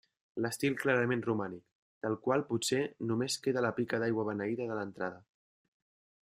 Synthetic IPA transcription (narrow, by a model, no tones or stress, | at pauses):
ləst̪ilˠklaɾəmẽnrumanik̚ | d̪̥əlˠkwalˠput̪senumeskeðələpikədajɣwəβənəiðəðələnt̪ɾað̞ə